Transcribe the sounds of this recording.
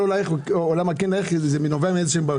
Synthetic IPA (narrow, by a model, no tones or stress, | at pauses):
olajχoolamakinlaeχzeminoveamidsʃemba